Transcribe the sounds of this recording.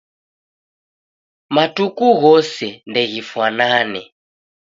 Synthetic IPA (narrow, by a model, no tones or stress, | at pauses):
matukuɣɔsɛndɛɣifwananɛ